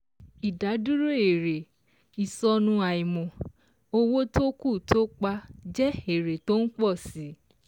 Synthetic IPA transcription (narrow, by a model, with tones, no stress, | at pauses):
i˨da˨˦du˦ɾo˦e˨ɾe˨ | i˨sɔ˧nũ˧a˨i˨mɔ̃˨ | o˦wo˦to˦ku˦˨tʰo˦k͡pa˧d͡ʒɛ˦e˨ɾe˨to˦n̩˦k͡pɔ˦˨si˨˦